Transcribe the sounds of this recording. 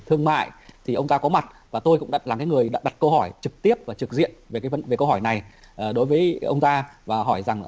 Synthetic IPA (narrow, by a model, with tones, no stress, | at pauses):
t̪ʰɨ˧əŋma̰ː˧˨jt̪ʰi˨˩ʔə˧wŋ͡mt̪aː˧kɔ˨˦ma˨˩t̚vaː˨˩t̪o˧jkʊ̰˧˥ŋ͡mɗa̰ː˧˥t̚laː˨˩ŋkaː˨˦jŋɨ˨˩əjɗa̰ː˧˥ɗa˨˩t̚kə˧whɔ˧˩jt͡ɕɨ˨˩k̚t̪i˦˥əp̚vaː˨˩t͡ɕɨ˨˩k̚zḭ˧˨ənve˨˩kaː˨˦jvə˨˦nve˨˩kə˧wɦɔ˧˩jna˨˩j | ʔəː˨˩ɗo˨˦jvəː˨˦jʔə̰˧wŋ͡mt̪aː˧vaː˨˩ɦɔ˧˩jza˨˩ŋ